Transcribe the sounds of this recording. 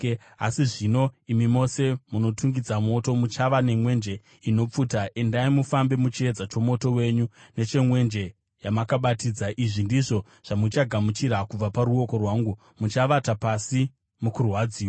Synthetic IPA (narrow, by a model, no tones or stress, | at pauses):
a̰siʐino̞imimo̞se̞muno̞tuŋɡid͡zamo̞to̞mut͡ʃaʋane̞mwe̞nd͡ʒe̞ | ino̞p͡futaʔe̞ndaimufambe̞mut͡ʃie̞d͡zat͡ʃo̞mo̞to̞we̞ɲune̞t͡ʃe̞mwe̞nd͡ʒe̞ | jamakaɓatiːd͡zaʔiʐindiʐo̞ | ʐ̥amut͡ʃaɡʱamut͡ʃiɾakub͡vapaɾuo̞ko̞rwaːŋɡu | mut͡ʃaʋatapasi | mukurwad͡ziːwo